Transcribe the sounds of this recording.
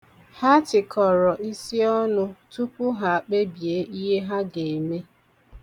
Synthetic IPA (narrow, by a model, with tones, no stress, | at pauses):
ha˦tɪ˨kʰɔ˨ɾɔ˨ʔi˦si˦ɔ˦nʊ˦tu˦pʊ˦ɦa˨a˨k͡pe˦bje˨˦ʔi˦ɦe˦ɦa˦ɡe˨me˦